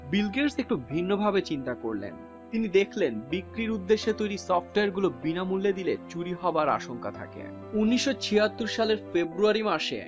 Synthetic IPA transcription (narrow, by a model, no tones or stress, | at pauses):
bilɡeɾsek̚ʈubʱinːobʱabet͡ɕint̪akoɾlḛn | t̪inid̪ekʰlenbikɾiɾud̪ːeʃːet̪ojɾisɔfʈoaɾɡulobinamulːed̪ilet͡ɕuɾiɦɔoaɾa̰ʃoŋka̰t̪ʰa̰kḛ | unːiʃːot͡ɕʰiɦat̪ːuɾʃaleɾfebɾuaɾimaʃḛ